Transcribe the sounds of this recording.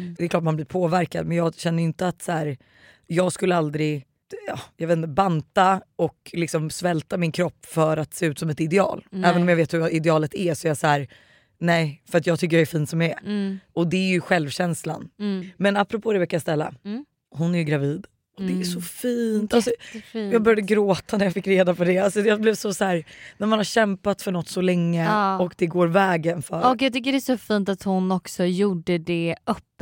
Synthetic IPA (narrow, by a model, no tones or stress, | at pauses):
d̪ɛklɑːʈmanblɪːɾpʰoːvæɾka̰d̪mɛnjɑːɡɕɛnːəjʏnt̪əat̪sæːɾ | jɑːɡskɵlːəald̪ɾɪɡ | ɑjɑːveːt̪nt̪əbant̪aɔklɪksɔmsvɛlt̪amɪnkʰɾɔpːfœɾat̪seːʉ̟ːt̪sɔmɛt̪ɪd̪ɛɑ̰ːlɛːvənɔmjɑveːt̪hɵɾɪd̪ɛɑːlət̪æsɔɛɾjasæːɾ | nɛɪfœɾat̪̬jɑːɡt̪ʰʏkːəɾjaɛɾfiːnt̪sɔmjaɛɔd̪ɛæɾjɵɧɛlvɕɛnsla̰nmɛnapːɾɔpʰoːd̪ɛvɛkːajast̪ɛlːa̰ | ɦʊnæjɡɾaviːd̪ | ɔd̪ɛːʂɔfiːnt̪alsɔjɑːɡbœɾjad̪əɡɾoːt̪ʰanæɾjɑfɪkːɾeːd̪apʰɔd̪ɛalsɔd̪ɛjablɛːvsɔsæːɾnæɾmanhaɾɕɛmpat̪fœɳɔt̪ːsɔlɛŋːəɔkd̪ɛɡoːɾvɛːɡənfœɾɔkjɑt̪ʏkːəɖɛːʂɔfint̪at̪hʊnɔksɔjuːɖəd̪ɛœpː